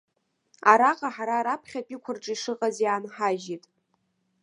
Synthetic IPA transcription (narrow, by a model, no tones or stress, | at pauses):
aɾaqʼaħaɾaːɾapʰχʲapʼikʷʰʊrʈ͡ʂʼiʂɨqʼazjaːnħaʒitʼ